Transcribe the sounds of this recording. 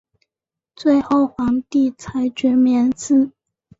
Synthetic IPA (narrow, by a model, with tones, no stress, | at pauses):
t͡swe˥˧ɪxo˥˩ʊxwɑ˧˥ŋt̪i˥˩t͡sʰa˧˥ɪt͡ɕɥɛ˧˥mjɛ˧˥nsɹ̩˥˩